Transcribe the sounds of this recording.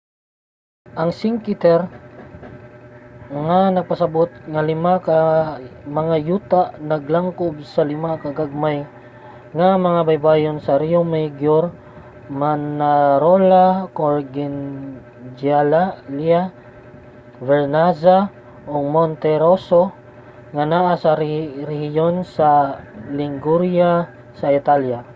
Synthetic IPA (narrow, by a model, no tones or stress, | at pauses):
ʔɐŋsɪŋkɪt̪ɛɾ | ŋanɐɡ̚pɐsɐbot̪̚ŋalɪmaka | mɐŋajuːt̪aʔnɐɡlaŋkob̚sɐlɪmakɐɡaɡ̚maj | ŋamɐŋabajbaːjonsɐɾiomaɡjoɾ | manaɾolakoɾɡɪn | d͡ʒalalja | vɛɾnaza | ʔoŋmont̪ɛɾoso | ŋanaʔasaɾɾɛhɪjonsalɪŋɡuɾja | sait̪alja